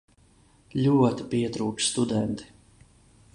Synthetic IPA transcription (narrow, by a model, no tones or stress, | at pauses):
lʲuɔt̪i̥piɛt̪ɾuːt͡ʃst̪ud̪ɛnt̪i̥